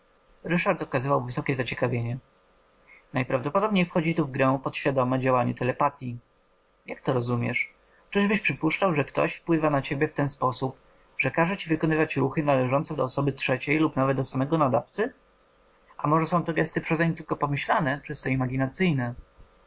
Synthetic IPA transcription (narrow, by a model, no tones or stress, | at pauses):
ɾɘʂaɾt̪ɔkazɘvawvɘsɔkʲɛzat͡ɕɛkavʲjeɲɛ | najpɾavd̪ɔpɔd̪ɔbɲejfxɔd͡ʑit̪uvɡɾɛ̃pɔt̪ɕfʲjad̪ɔmɛd͡ʑawaɲɛt̪ɛlɛpat̪ʲji | jakt̪ɔɾɔzumʲjɛ̰ʂ | t͡ʂɘʐbɘɕpʂɘpuʂt͡ʂawʐɛkt̪ɔ̰ɕfpwɘvanat͡ɕebʲjɛft̪ɛnspɔsup̚ | ʐ̥ɛkaʐɛt͡ɕivɘkɔnɘvat͡ɕɾuxɘnalɛʐɔnt̪sɛd̪ɔːsɔbɘtʂɛt͡ɕejlupnavɛd̪̚d̪ɔsamɛɡɔnad̪aft̪sɘ | amɔʐɛsɔ̃w̃t̪ɔɡɛst̪ɘpʂɛzaɲimt̪ɘlkɔpɔmɘɕlanɛt͡ʂɘst̪ɔimaɡʲinat̪sɘjnɛ